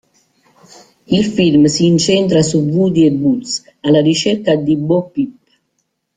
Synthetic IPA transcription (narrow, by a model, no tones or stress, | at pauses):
ilfilmsiːnt͡ʃɛnt̪̬ɾasuvud̪iɛbus | alːarit͡ʃɛrkad̪ibɔpːipː